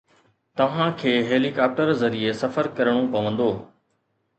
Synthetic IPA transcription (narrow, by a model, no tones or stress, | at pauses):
t̪ɐʋ̤ãkʰeːɦeːlikaːp̚ʈəɾzɐɾiesɐfəɾkɐɾəɽ̃opɐʋə̃nd̪oː